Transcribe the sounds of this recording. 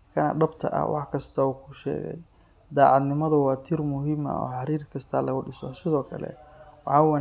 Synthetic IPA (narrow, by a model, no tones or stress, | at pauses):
kʰɐnɐ̰ɖɐbt̪ʰɐ̰ʔɐ̰wʔɑ̰ħkʰɐst̪ʰɐuːkʰʊʃɛ̰ːɣɛ̰j | d̪aːʕɑd̪nɪmɐðʊwɑːt̪ʰɪrmʊɦɪmɐ̰ɔ̰ːħɑɾiːrkʰɐst̪ʰalɐɣʊɖɪsɔsɪðɔːkʰɐlɛ̰wɑħɑːwɑ